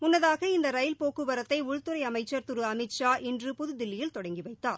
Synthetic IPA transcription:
mʊnːɐðaːɣɐɪnd̪ɐɾɐjɪlpoːkɯʋɐɾɐt̪ːɐɪʊɻt̪ɯɾɐɪɐmɐɪt͡ʃːɐɾt̪ʊɾɯɐmɪt͡ʃaːʔɛndrɯpʊðɯd̪ɪlːɪjɪlt̪ɔɽɐŋɡiʋɐɪt̪ːaːɾ

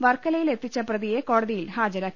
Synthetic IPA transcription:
ʋɐrkɐlɐjile̞t̪ːit͡ɕːɐprɐðije̞ko̞ːɽɐðijilhaːd͡ʑɐɾaːk

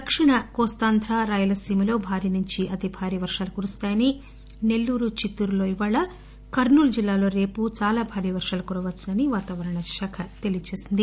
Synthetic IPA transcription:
d̪ɐkʂiɳɐkɔːst̪aːnd̪ʱɾaːɾaːjulɐsiːmɐlo̞ːbʱaːɾiːnuɲt͡ʃiʔɐt̪ibʱaːɾiːʋɐɾʂaːlukuːɾust̪aːjɐni | ne̞lːuːɾut͡ʃit̪ːuɾulo̞ːiʋaːɭɐ | kɐɾɳuːld͡ʒilːaːlo̞ːɾe̞ːput͡ʃaːlaːbʱaːɾiːʋɐɾʂaːlukuɾɐʋɐsinɐniʋaːt̪aːʋɐɾɐɳɐʃɐkʰɐt̪e̞lijɐt͡ʃeːsind̪i

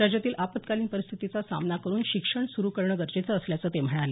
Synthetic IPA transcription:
ɾad͡ʑjat̪iːlʔapət̪kaliːnpəɾist̪ʰit̪it͡sasa̰mnakəɾuːnɕikʂəɳsuɾuːkəɾɳəɡəɾd͡ʑet͡səːsljat͡səːt̪em̤əɽ̃ale

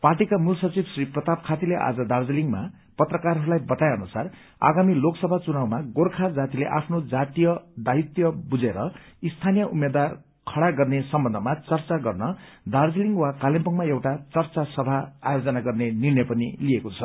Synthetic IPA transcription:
parʈikamulsʌt͡sibsriprʌt̪ap̚kʰat̪ileʔa̰d͡zʌd̪ard͡ziliŋma | pʌt̪rʌkarɦʌɾulajbʌt̪ajeʌnusar | a̰ɡamiloksʌbʱat͡sunawmaɡorkʰad͡zat̪ileʔa̰pʰnod͡zat̪ijʌd̪ait̪jʌbud͡zeɾʌ | ist̪ʰanijʌʔumed̪war | kʰʌɽaɡʌrnesʌmbʌndʱʌmat͡sʌrt͡saɡʌrnʌ | d̪ʱard͡ziliŋɡwakalempʌŋmaewʈat͡sʌrt͡sasʌbʱaa̰jod͡zʌnaɡʌrnenirnʌjpʌnḭliekot͡sʰʌ

